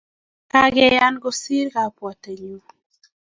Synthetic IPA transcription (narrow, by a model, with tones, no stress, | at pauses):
ka˦ɡɛ˨ja˦nɡo˦si˦ɾka˨pwa˨te˨ɲu˨